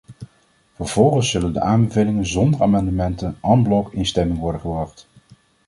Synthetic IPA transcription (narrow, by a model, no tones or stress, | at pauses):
vəɹv̥ɔlˠχənsːɵləndə̰ʔaːmbəvejlɪŋənzɔndəɹaːmɑndəmɛntənɑmblɔkɪnstɛmɪŋʋɔɹdənχəbrɑχt